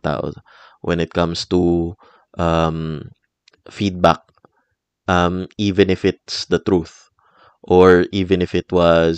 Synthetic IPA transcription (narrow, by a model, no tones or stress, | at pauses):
t̪a̰ːʔo̰ | wʔɛ̰̃nɪt̪̚kɐ̃mst̪u | ʔɐm | fid̪̚ba̰k̚ | ʔɐmiːvɛ̃nɪfɪt̪̚sd̪ɐt̪ɾuθ | ʔɔɹʔiːvɛnɪfɪt̪wɔ